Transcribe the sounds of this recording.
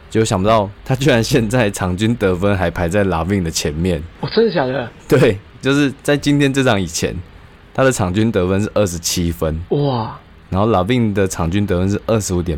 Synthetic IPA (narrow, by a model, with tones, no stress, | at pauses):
t͡ɕjo˥˩ʊɕjɑ˨˩ŋpə˧t̪ɑ˥˨˩ʊt̪ʰa˥t͡ɕy˥˩ɻa˧˦nɕjɛ˥˧nt͡sa˥˩ɪʈ͡ʂʰɑ˨˩ŋt͡ɕy˥nt̪ɤ˧˥fə˦˥nxa˧˥ɪpʰa˧˥ɪt͡sa˥˩ɪla˨˩pi˥˧˩ŋd̪ə˩t͡ɕʰjɛ˧˥nmjɛ˥˨nwɔ˨˩t͡sʰə˥ŋɕ̬ja˨˩d̪ə˦t̪we˥˩ɪt͡ɕjo˥˧ʊʂɻ̩˥˧t͡sa˥˩ɪt͡ɕi˧˥nt̪ʰjɛ˥nʈ͡ʂɤ˥˧ʂɑ˥˩ŋi˨˩t͡ɕʰjɛ̰˧˦n | t̪ʰa˥d̪ə˨ʈ͡ʂʰɑ˨˩ŋt͡ɕy˥˦nt̪ɤ˧˦fə˦nʂɻ̩˥˧ʔə˥˩ʂɻ̩˧˦t͡ɕʰi˦fə˦nw | na˨˥nxo˥˩ʊla˨˩i˥˩ŋd̪ə˨ʈ͡ʂʰɑ˨˩ŋt͡ɕy˥nt̪ə˧˦fə˧˦nʂ̬ɻ̩˥˧˩ʔə˥˩ʂɻ̩˧˥u˧˥t̪jɛ˨˩n